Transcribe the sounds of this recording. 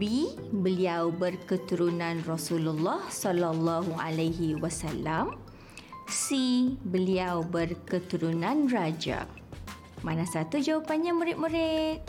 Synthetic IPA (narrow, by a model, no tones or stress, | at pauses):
bi | bəliawbərkət̪uɾunãnrɔsululːɔhsɔlalːaɦua̰laɦiwasalam | sibəliawbərkət̪uɾunãnrad͡ʒa̰ | manasat̪ud͡ʒawapanɲamũɾɪʔ̪̚mũɾɪt̪̚